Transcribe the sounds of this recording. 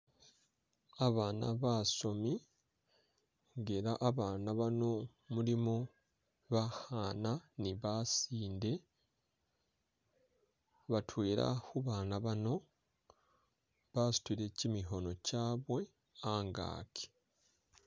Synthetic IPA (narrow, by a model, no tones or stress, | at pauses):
aβaːna̰βaso̞mi | ŋɡeɾaʔːβaːnaβano̞ | mulimo | βahaːnaniβasiːnde̞ | βatʰwe̞ːɾa̰huβaːnaβano̞ | βasu̥twiɾe̞cimiɦo̞no̞caːβwe̞ | aːŋɡa̰ːkʰi̥